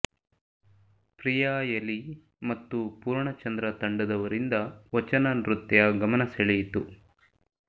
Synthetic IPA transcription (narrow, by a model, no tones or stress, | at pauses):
pɾijaːjɐli | mɐt̪ːupuːɾɳɐt͡ʃɐnd̪ɾɐt̪ɐɳɖud̪ɐʋɐɾind̪ɐʋɐt͡ʃɐnɐnɾut̪jɐɡɐmɐnɐseɭijit̪u